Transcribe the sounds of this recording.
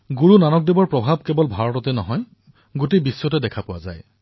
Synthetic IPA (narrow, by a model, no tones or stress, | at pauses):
ɡuɹunanɔk̚debɔɹpɹɔbʱab̚kebɔlbʱaɹɔtɔtɛnɔ̰ɦɔj | ɡotebisːɔtɛdɛkʰapʊwa̰za̰j